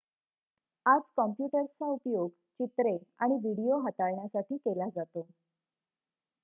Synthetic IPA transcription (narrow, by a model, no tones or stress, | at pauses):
ad͡zkɔmpjuʈəɾt͡saupjoɡ | t͡ɕit̪ɾeaɽ̃iʋiɽijoɦat̪aɭɳjasaʈiːkelad͡zat̪o